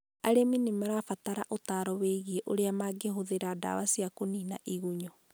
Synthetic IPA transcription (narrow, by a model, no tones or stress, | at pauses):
aɾeminimɛɾafataɾa̰ʔotaɾɔweɣieʔoɾeamaɡeɦoðeɾada̰wasiakoninaʔiɣuɲɔ